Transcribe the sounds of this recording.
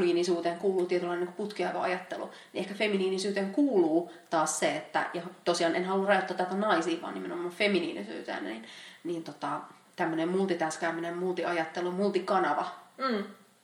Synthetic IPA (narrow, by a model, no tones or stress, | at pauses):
liːnisuːt̪eːŋkuːluːt̪iet̪ylɑinːiŋku̥put̪kiɑʋo̰ɑjɑt̪ːḛlṵ | nḭʔehkæfeminiːnisyːt̪eːŋkuːluːt̪ɑːsseet̪ːæ̰jɑt̪osiɑːnenhɑlːurrɑjot̪ːɑːt̪ːæt̪ænɑisiːʋɑ̰ːnimenomɑːfeminḭːnisy̰ːt̪ḛːnnḭnnint̪ot̪ɑ | t̪æmːønemmult̪it̪æskæymːinemmult̪iʔɑjɑt̪ːelumult̪ikɑnɑʋɑ